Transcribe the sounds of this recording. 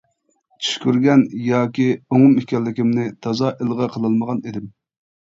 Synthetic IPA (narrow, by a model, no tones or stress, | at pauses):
t͡ʃʰy̥ʃkʲyɾɡʲɛnjɑːkʲioŋʊmikʲɛlːɪkʲimnɪt̪ʰɑzɑʔelˠʁɑqʰəlˠɨlˠməʁɑnid̪ɪm